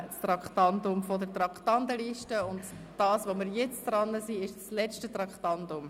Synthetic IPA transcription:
st̪rɑktɑndʊmfodət̪ɾɑktɑndəliːʃtəʊnd | d̥ɑːsʋomɪɾjɛt͡sd̥ɾɑnːəsiɪʃslɛt͡ʃtətrɑkχtɑntʊm

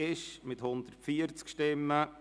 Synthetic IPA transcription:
ɪʃmɪthʊnd̪ərtfiəɾt͡skʃtɪmːə

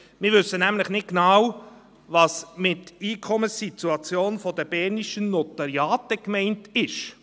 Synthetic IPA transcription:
mɪːɾʋɵsːənæmlɪχnɪt̚ɡ̥nɑw | vɑsmɪtiːkʰɔməsit̪uɑt͡sjoːnfɔdəb̥ɛːɾniʃənːɔtɑɾjɑːtəkmɛɪntɪʃ

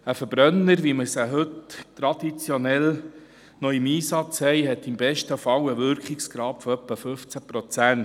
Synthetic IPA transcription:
əfəb̥ɾœnːəɾʋiməsəɦɵttɾɑd̪̥it͡sjonɛl | nɔimiːsɑt͡shɛɪɦɛt̪ɪmbɛʃtəufɑwəʋʏɾkχɪksɡ̥ɾɑːpfɔœpːəfɵft͡sæpɾot͡sæn

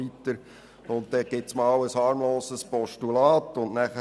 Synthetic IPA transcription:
itəɾ | ʊnt̚d̥ɛɡ̥ɪtsmɑːwəshɑːɾmloːsəspɔʃtulɑːtʊnnæχə

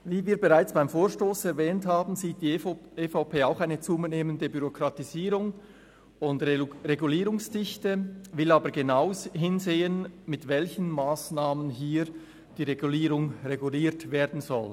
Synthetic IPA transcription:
viːviːbeʁaɪt͡sb̥aɪmfoːʃtoːsɛɾvɛːnthaːbn̩ziːt̚d̥iefaʊpʰeːaʊxaɪnət͡suːməneːməndəbyʁokɾɑtiziːɾʊŋ | ʊndʁeɡuliːɾʊŋsd̥ɪçtəvɪlɑːbəɾɡenaʊsɦɪnzeːənmɪtvɛlçən̩maːsnaːmənɦiːɾ | d̥iːʁeɡuliːɾʊŋʁeɡuliːɾtveːɾdn̩zɔl

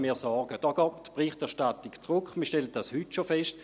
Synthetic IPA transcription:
miːɐsɔːɡ̥əd̥ɔːɡ̥ɔːtpʁɪχtɛɐʃtatikt͡sʁʊkʰmiːɐʃtɛləd̥ashytʃofɛʃt

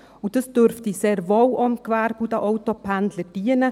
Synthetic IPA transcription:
ud̥əsd̥øɾftiseːɾʋowʔɔmkʋæːɾbudəʔɔwtɔpʰændləd̥iənə

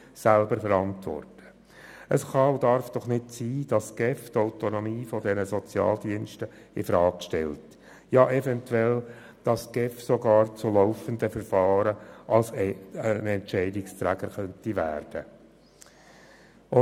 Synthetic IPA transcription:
sælbəɾfəɾɑntʋɔ̰rtə̥ | əsχɑdɑɾfd̥ɔχnɪtsiːd̥ɑsɡ̥ɛft̪aʊtonɔmiːfɔdɛnəzɔt͡sjɑ̰ːldiənʃtə | ɪfɾɑːkʃtɛ̰lt | jɑːʔɛvɛntwɛl | d̥ɑsɡ̥ɛfsɔɡɑːɾt͡sʊloʊfənd̪əfəɾfɑːɾəʔɑlsənɛntt͡ʃɛɪdɪkst̪ɾæɡ̥əɾχœntiʋæ̰ːrd̥ə | ʊ

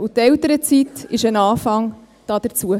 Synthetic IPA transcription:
utɛlt̪əɾət͡sitɪʃənɑːfɑŋ | d̥ɑd̥əɾt͡suə

